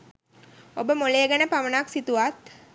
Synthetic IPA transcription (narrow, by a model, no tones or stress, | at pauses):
obəmoleːɡənəpaʋənaksit̪uʋat̪